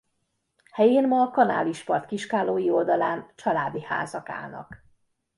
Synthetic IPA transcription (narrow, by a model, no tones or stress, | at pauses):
hɛjeːnmɒːkɒna̰ːliʃpɒrt̪kiʃkaːloːjio̞ld̪ɒlaːnt͡ʃɒlaːd̪iha̰ːzɒka̰ːlnɒ̰k